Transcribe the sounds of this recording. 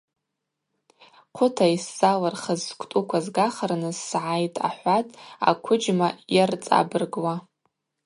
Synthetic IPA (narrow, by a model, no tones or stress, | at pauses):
qʷʰʊtʰaisːalarχazːkʷʰʼtʼukʷʰazɡaχarnɨzsʕajtʼa̰ħʷatʼa̰kʷʰʊd͡ʒmajart͡sʼa̰bɨrɡwa